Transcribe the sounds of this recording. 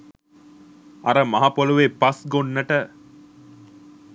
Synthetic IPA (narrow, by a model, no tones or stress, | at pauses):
ɐɾəmɐɦapoluʋepɐsɡonːɐʈə